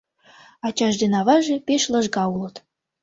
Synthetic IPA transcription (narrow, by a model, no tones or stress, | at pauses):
ɑt͡ɕɑʒd̪enɑβɑʒĕpeʃlˠɤ̆ʒɡɑulɤ̆t̪